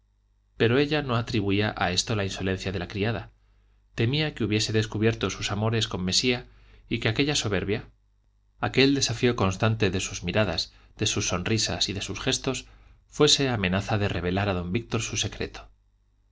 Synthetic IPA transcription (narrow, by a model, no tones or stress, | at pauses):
pe̞ɾo̞e̞ʎano̞at̪ɾiβuiaʔae̞st̪o̞lainso̞le̞n̟θjaðe̞lakɾiaða | t̪e̞miakeuβje̞se̞ðe̞skuβ̞je̞ɾt̪o̞susamo̞ɾe̞sko̞mːe̞sia | ike̞ake̞ʎaso̞β̞e̞ɾβja | ake̞ld̪e̞safio̞ko̞nst̪ant̪e̞ðe̞suzmiɾaða̰z | ðe̞susːo̞nrisa̰siðe̞susxe̞st̪o̞s | fwe̞se̞amẽ̞naθaðe̞re̞β̞e̞laɾað̞o̞mbik̚t̪o̞ɾsuse̞kɾe̞̰t̪o̥